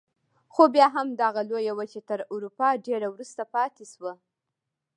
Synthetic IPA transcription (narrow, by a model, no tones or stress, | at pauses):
xobjɑɦamd̪aɣalojawat͡ʃet̪əɾuɾupɑɖeɾawɾust̪apɑt̪eʃwa